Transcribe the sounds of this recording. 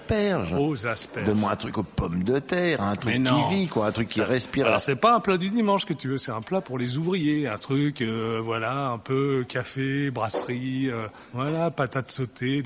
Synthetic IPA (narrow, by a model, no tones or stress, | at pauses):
pɛʁʒozaspɛd̪ɔnmwãɛ̃t̪χykopɔmd̪ət̪ɛʁɛ̃t̪χɛnɔivikwaɛ̃t̪χykʲːiaʁɛspiʁaɔ̰ʁsɛpaɛ̃plad̪yd̪imɑ̃ʃkət̪yvøsɛt̪ɛ̃plapuʁlezuvʁijeɛ̃t̪χykøvwalaɛ̃pøkʰʲafebʁasʁiø | vwalapat̪at̪sot̪ʰe